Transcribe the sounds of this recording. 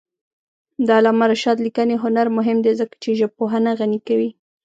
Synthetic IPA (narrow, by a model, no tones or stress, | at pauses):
d̪ɑlɑmaɾaʃɑd̪likəneɦʊnaɾmʊɦɪmd̪ezəkḁt͡ʃeʒəb̚poɦanaɣanikawi